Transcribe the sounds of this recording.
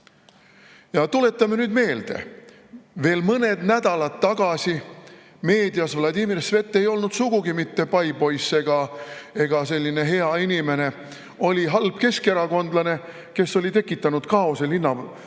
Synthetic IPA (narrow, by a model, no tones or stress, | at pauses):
jɑt̪ule̞t̪ˑːɑme̞nyːd̪me̞ːld̪̥e̞̰ | ve̞ːlmɤne̞d̪̥næd̪̥ɑlɑt̪ːɑɡ̥ɑsi | me̞ːd̪ijɑsvlɑd̪imirsve̞t̪ːˑe̞jo̞lnud̪̥suɡ̥uɡimit̪ːe̞pɑjbo̞jsːe̞ɡ̥ɑe̞ɡ̥ɑse̞lʲːine̞ɦe̞ɑinʲime̞ne̞ | o̞lʲiɦɑlb̥̚ke̞ske̞ɾɑko̞nd̪lɑne̞ | ke̞sːo̞lʲit̪e̞kːˑit̪ːˑɑnud̪̥kɑo̞selinːɑ